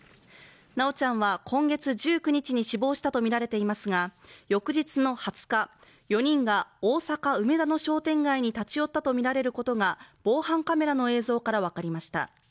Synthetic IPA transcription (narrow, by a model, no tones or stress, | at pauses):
nao̞t͡ɕãɰ̃βakʰõ̞ŋɡe̞t͡sɨʑɨːk̟ɲ̟it͡ɕiɲ̟iɕibo̞ːɕi̥t̪at̪omʲiɾaɾe̞t̪e̞imasɨɡajo̞kɯ̟ʑit͡sɨno̞hat͡sɨ̥ka | jo̞ɲ̟ĩŋɡaoːsakaɯ̟me̞d̪ano̞ɕo̞ːt̪ẽ̞ŋɡaiɲ̟it̪at͡ɕijo̞t̪ːat̪o̞mʲiɾaɾe̞ɾɯ̟ko̞t̪o̞ɡab̥o̞ːhãŋkame̞ɾano̞e̞ːzo̞ːkaɾaβ̞akaɾʲimaɕi̥t̪a̰